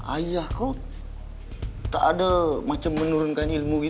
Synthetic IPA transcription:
a̰jahkaw | t̪aʔːdamat͡ʃamːənuɾʊnkanilmuɡi

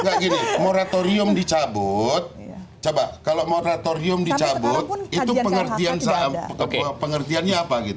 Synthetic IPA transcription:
ŋɡaʔɡinimoɾat̪oɾiʊmdit͡ʃabʊt̪̚ | t͡ʃobaʔkalomoɾat̪oɾiʊmdit͡ʃabʊt̪̚it̪upəŋərt̪iansaʔakpəŋərt̪ianɲaːpaɡit̪u

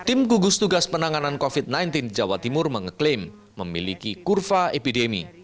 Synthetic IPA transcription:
t̪ɪmɡuɡʊst̪uɡaspənaŋanankofit̪̚najnt̪ind͡ʒawat̪imʊrməŋəklemː | əmilikikurfaepidemḭ

